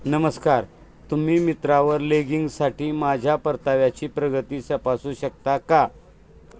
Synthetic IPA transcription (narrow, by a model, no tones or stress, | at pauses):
nəməskaɾ | t̪um̤iːmit̪ɾaʋəɾleɡiŋɡsaʈiːmad͡ʑʱjapəɾt̪aʋjat͡ɕiːpɾəɡət̪iːsəpasuːɕək̚t̪aka